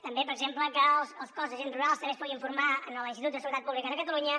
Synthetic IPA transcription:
t̪əmbepəɾəɡzempləkəlˠsəlˠskɔzðəʒenruɾalˠst̪əmespɔɣiɱfuɾmaənəlinst̪it̪ut̪əsuwuət̪at̪puβlikəðəkət̪əluɲə

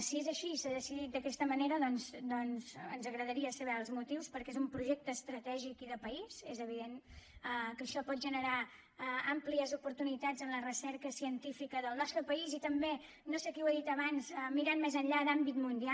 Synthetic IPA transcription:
siezəʃisaðəsiðit̪̚d̪əkɛst̪əməneɾəðɔnzd̪ɔnzənzəɣɾəðəɾiəsəβɛəlˠzmut̪iwspəɾkezumpɾuʒɛk̚t̪əːst̪ɾət̪ɛʒikiðəpəizezəβ̞iðenəkəʃɔpɔt̪̚ʒənəɾa | ampliəzupuɾt̪unit̪ad͡zənlərəsɛɾkəsiənt̪ifikəðəlˠnɔst̪ɾəpəizit̪əmbe | nosekɛuweðit̪əβanzəmiɾanmezəɲʎad̪ambit̪mund̪ia

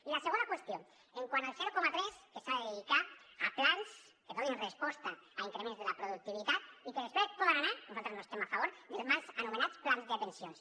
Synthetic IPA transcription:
ilaseɣ̞ond̪akwest̪jo | eŋkwanoelseɾokomat̪ɾeskesaðeðikaaplans | keðonenrespost̪aaiŋkɾemẽnzðelapɾoðuk̚t̪iβit̪at̪ikeðespɾespoðeŋanaɾnosot̪ɾznose̥st̪emafaβoɾðelzmazanumenat̪t͡splanzðepensjons

